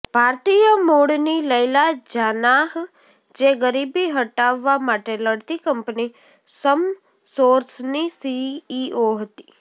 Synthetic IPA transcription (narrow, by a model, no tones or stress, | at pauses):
b̥ʱaːɾt̪ijəmoɽniləɪlad͡ʒanaɦ | d͡ʒeɡəɾibiɦəʈaʋːamaʈeləɽt̪ikəmpni | səm | soːɾsnisiːoɦət̪i̥